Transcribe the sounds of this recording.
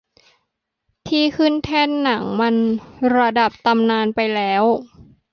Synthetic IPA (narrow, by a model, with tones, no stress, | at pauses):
t̪ʰiː˥˩kʰɯ˥˩nt̪ʰɛː˥˩nːa˩˦ŋma˧nɾa˧da˨˩p̚t̪a˧mnaː˧npa˧jlɛː˦˥w